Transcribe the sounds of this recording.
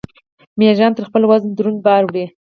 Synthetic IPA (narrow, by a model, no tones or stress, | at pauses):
mjɑʒɑnt̪əɾxpəlwaznd̪ɾunbɑɾɽi